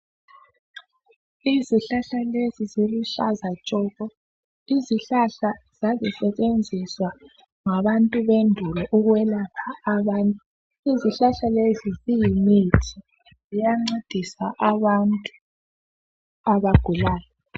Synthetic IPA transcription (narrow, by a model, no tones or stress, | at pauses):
iziɬaɬaleziziluɬazat͡ʃʼɔːɣɔ | iziɬaɬaz̥azisɛt͡ʃʼend͡zʱiswa | ŋaβantʼuβendʱulɔʔuɣwɛlapʰaːβantʼu | iziɬaɬalezizijimitʰi | zijaŋ͡ǀed̥ʱisaʔaβantʼu | aβaɡ̥ʱulaːjɔ